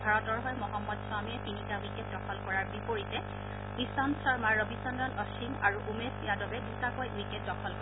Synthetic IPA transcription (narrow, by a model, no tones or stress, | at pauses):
bʱaɹɔtɔɹɦɔjmɔɦɔmːɔtswamiɛtinikawiket̚dɔkʰɔlkɔɹaɹbipoɹitɛ | bisɔnsɔɹmaɹɔbisɔndɔlɔsiŋaɹuʔumesijadɔbɛdutakojwiket̚dɔkʰɔlk